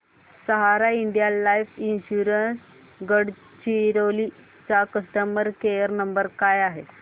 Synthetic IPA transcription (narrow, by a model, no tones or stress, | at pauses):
səɦaɾaiɳɖijalajfinɕuɾəns | ɡəɽ | t͡ɕiɾoli | t͡sakəsʈəməɾkejəɾnəmbəɾkajaɦe